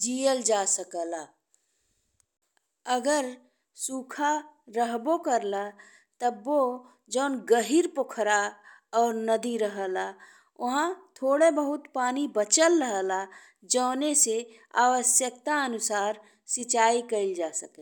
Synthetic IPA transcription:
d͡ʒijəld͡ʒaːsəkəla | əɡəɾ | suːkʰaɾəɦbokəɾla | t̪əbːo | d͡ʒəːnɡəɦiɾpokʰɾaɔːɾnəd̪iɾəɦəla | ʊɦãt̪ʰoːɽebəɦʊt̪paːnibət͡ʃəlɾəɦəla | d͡ʒəːnese | aːʋəsjək̚t̪aənʊsaːɾ | sɪt͡ʃaːikəɪld͡ʒaːsəke

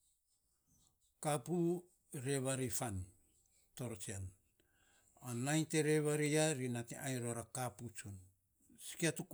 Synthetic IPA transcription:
kapu | ɾe̞βaɾifan | to̞ɾot͡ʃian | anajnteɾeβaɾiaɾinatḭʔajɾoɾakaput͡ʃon | si̥kiatuk

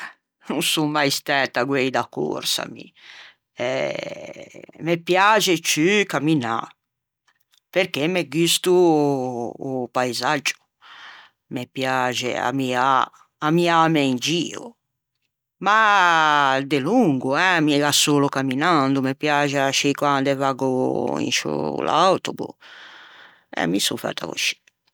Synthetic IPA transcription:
nunsuŋmajst̪ɛt̪ːaɡwejd̪akːo̰ɾsa̰mḭ | ɛ | mepjaːt͡ʃɛt͡ʃykamːina̰ | peɾkemeɡist̪uː | pajzad͡ʒːu̥ | mɛpjaːt͡ʃɛ̰a̰miaː | miamɛind͡ʒiːo̰ | ma | d̪eluŋɡuɛmiɛɣasːoːlɔkamːinand̪umɛpjaːt͡ʃɛaʃikwand̪ɛvaɡɔḭnʃṵla̰wt̪obṵ | ɛ̰misṵfa̰t̪ːa̰ko̰ʃi̥

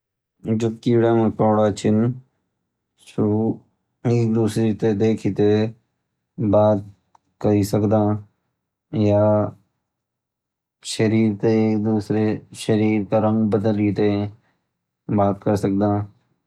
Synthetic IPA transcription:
d͡ʒob̚kiːɽaːmẽpɔːɽaːt͡ʃʰɪn | ʃʊɾuː | eːk̚d̪uːsɾit̪ed̪eːkʰit̪e | baːt̪̚ | kəɾisəkd̪ãː | jaː | ʃəɾiːɾt̪eːk̚d̪uːsɾeʃəɾiːɾkaɾə̃ŋɡbəd̪əlit̪e | baːt̪kəɾsək̚d̪ãː

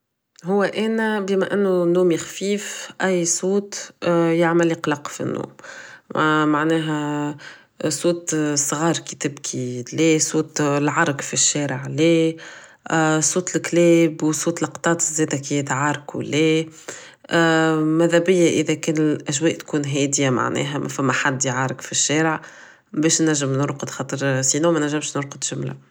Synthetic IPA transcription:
ɦʊwːæʔæːnæbimæʔɪnːʊnːuːmjɪxfiːfʔæjːsˤuːt̪jaʕmælqlɑqfḭnːṵːm | maʕnɛːɦɛ | suːt̪sˤɣɑːɾˤkit̪ɪbkʰilɛːsˤuːt̪lʕɑɾˤkfiʃːɛːɾəʕleː | sˤuːt̪lklɛːbwsˤuːt̪lɑqt̪ˤɑːt̪zɛːd̪ækiɛd̪ʕɑɾˤkwlɛː | mæðæbɪjːaʔɪðɛkɛːnlʔæʒwɛːʔt̪kuːnɦɛːd̪jama̰ʕnɛ̰ːɦæmʔæ̰fæmːæħad̪ːiʕɑɾˤɑkfiʃːɛːɾəʕ | bɛːʃnæʒːəmnʊɾqəd̪xɑːt̪ˤɾsiːnumɛnæʒːɪmʃnʊɾqəd̪ʒʊmla̰

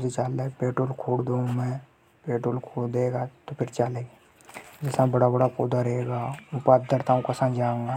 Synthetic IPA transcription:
set͡ʃaːlːepeːʈoːlkʰoːɽd̪ũːŋmẽ | peːʈolkʰoːɽd̪eːɡat̪opʰɪɾt͡ʃaːleː | d͡ʒɪsãbɐɽabɐɽapud̪aɾeɡaːʊpaːt̪̚d̪əɾt̪aũkasãnd͡ʒãːŋɡaː

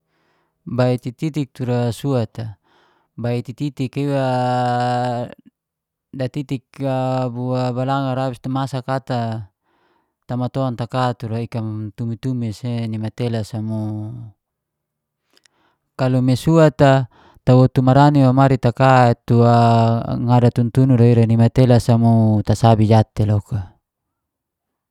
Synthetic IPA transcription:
bait̪it̪it̪ik̚t̪uɾasuat̪a | bait̪it̪it̪ikiwa | dat̪it̪ikabuabalaŋaɾabist̪amasakat̪a | t̪amat̪oant̪akat̪uɾaikamt̪umit̪umisenimat̪elasamu | kalumesuat̪a | t̪awot̪umaɾaniwamaɾit̪akat̪uaŋadat̪unt̪unuɾaiɾanimat̪elasamut̪asabid͡ʒat̪eloka

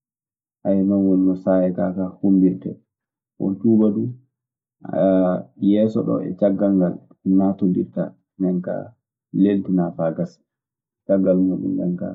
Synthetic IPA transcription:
ʔajmanwɔnːɔsajɛtakahumbiɾtɛ̰ | wɔ̰nt͡ʃuːbadu | jɛːsɔɗɔ̰ɛ̰t͡ʃaɡːalɡal | natondḭɾta̰ | nɛŋka̰ | leltinafaɡas | t͡ʃaɡːalmuɗṵndɛnka̰

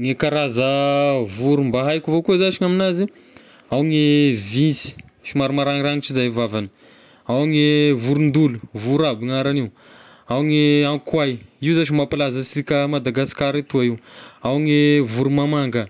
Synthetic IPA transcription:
ŋekaɾazəvuɾumbaɦajkuvokuzat͡ʃiŋaminazi | awŋevinsi̥ | ʃimaɾumaɾaŋiɾaŋit͡ʃizajvavani̥ | awŋevuɾund̪uluvuɾabiŋaɾaniu | awŋeaŋkwajiwzat͡ʃimapalazəsikʲəmad̪aɡasi̥kaɾit̪uaiwawŋevuɾumamaŋɡə

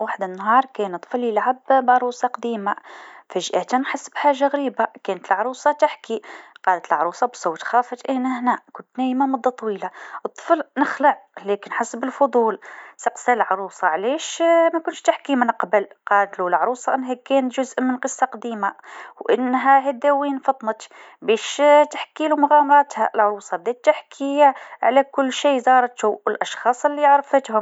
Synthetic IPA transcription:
waħd̪ɪnːɦɑːɾˤkɛːnɨt̪ˤflɪlʕabbʕɾˤuːsˤɑqɑd̪iːmafæʒʔæːt̪ænħasːbħaːʒːaɣɾiːbakɛːnət̪əlʕɾˤuːsˤɑt̪ɪħkiqɑːlət̪əlʕɾˤuːsˤɑbsˤoːt̪xɑːfɑd̪ʔænæhnækʊnt̪næːjmamɑd̪ˤːɑt̪ˤːɑwiːlaʔət̪ˤːə̥flnɪxləʕlɛːkɪnħasːbɪlfʊd̪ˤuːlsɪqsælʕɾˤuːsˤɑʕliːʃmækʊnʃt̪ɪħkimɪnqbəlqɑːd̪lulʕɑɾˤuːsˤɑʔɪnːɦækːɛːnt̪ʒʊzʔmɪnqɨsˤːɑqɑd̪iːmawʔɪ̰nːɦæɦæd̪æwiːnfɑt̪ˤnət̪ | bɛːʃt̪aħkiːlumʊɣæːmɑɾˤɑːt̪hæ̰ʔlʕʊɾuːsˤɑb̚d̪eːt̪ːɪħkʰijʕalækʊlːʃiːzɑːɾˤt̪uwɪlʔɑʃxɑːsˤɪlːiʕɾˤɑfɪt̪hʊm

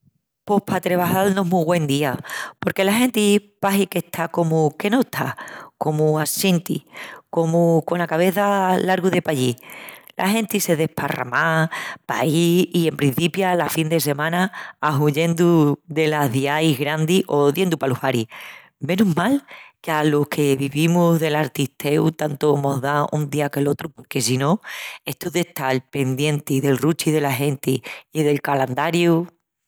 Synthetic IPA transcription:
po̞hpʰat̪ɾe̞βaɦalnoɦmuɣwẽ̞nd̪iapo̞ɾke̞laɦẽ̞nt̪ipaɦike̞ht̪ʰako̞muke̞not̪ʰako̞muasint̪ḭko̞muko̞nlakaβ̞e̞θalaɾɣuðe̞paʎilʔa̰ɦe̞nt̪ise̞ðe̞hpʰara̰mapa̰iie̞mpɾin̟θipjalafind̪e̞se̞mãnaːɦuʎend̪uðe̞laðiaiɦɣɾand̪iʔo̞ðje̞nd̪upaluhaɾi | mẽ̞nuɦmalkealo̞hkʰe̞βiβimuzðe̞laɾt̪it̪ʰe̞wt̪ant̪omo̞ɦðaʔund̪iake̞lo̞t̪ɾupo̞ɾke̞sino̞e̞ht̪uðe̞ht̪alpe̞nd̪je̞nt̪iðe̞lrut͡ʃiðe̞laɦe̞nt̪iːðe̞lkaland̪aɾju

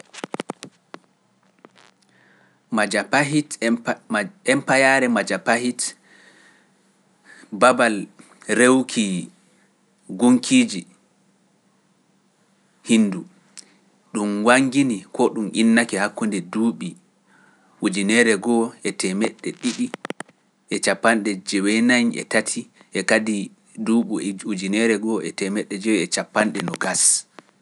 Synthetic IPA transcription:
mad͡ʒapaɦit | ɛmpajaɾɛmad͡ʒapahit | babal | ɾewkʰi | ɡuŋkʰiːd͡ʒi | hinːdu | ɗumwaŋɡinikʰɔɗumʔinːakɛhakːundɛduːɓi | ud͡ʒinɛɾɛɡɔɛtʰɛmɛɗːɛɗiɗi | ʔɛt͡ʃapːanɗɛd͡ʒɛwɛnaɲɛ̰tatʰiʔɛkadi | duɓuud͡ʒinɛɾɛɡɔɛtɛmɛɗːɛd͡ʒɛwɛɛt͡ʃapːanɗɛnɔɡas

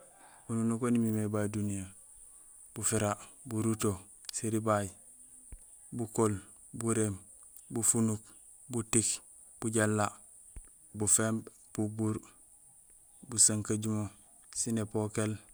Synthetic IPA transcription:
ununukonimimebadunija | b̥ufiɾabuɾuto | siɾibaj | bukol | buɾem | bufunuk | butik | b̥uɟalːa | bufeːmb | b̥ubuɾ | busaŋkaɟumo | sinepokel

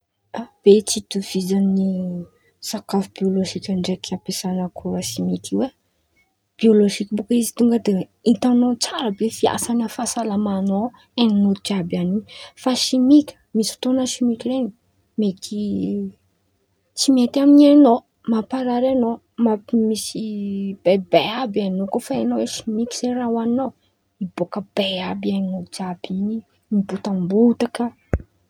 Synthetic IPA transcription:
ab̥et͡sit̪uv̥id͡zanni | sakafbioloʒikʲanɖ͡ʐekiapesanəkʰuɾəʃimikiwe | b̥ioloʒikʲbokəizi̥t̪uŋɡəd̪e | it̪anot͡saɾəbefia̰sanafasalamano | eninut̪utabanifaʃimikʲə̥misi̥t̪onəʃimikʲleni | met̪ʰi | t͡simet̪aminiano | mapaɾaɾano | mamisib̥ebeabianokofaenoweʃimikʲiz̥eɾawano | ibokəbeabianinud͡ʒab̥ini | mibut̪ambut̪akə

